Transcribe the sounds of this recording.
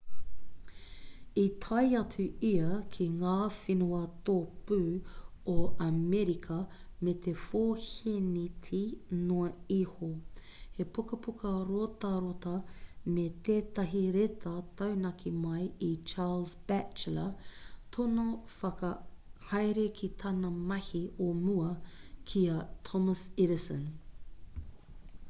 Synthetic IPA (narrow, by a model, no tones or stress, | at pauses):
it̪ʰɐjɐtʰʉiɐkʰiŋaːfinuɐt̪opʉːoɐmɛɾikʰɐ | met̪efoːhinitʰinoɐihohepukɐpukɐɾot̪ɐɾot̪ɐmet̪eːtɐɦiɾetʰɐtɐwnɐkʰimɐjit͡ʃaːlzb̥æt͡ʃlɐtʰonofɐkɐhɐjɾekʰitʰɐnɐmɐhiomuɐkʰiɐtʰɔməsɪɾɪsə̃n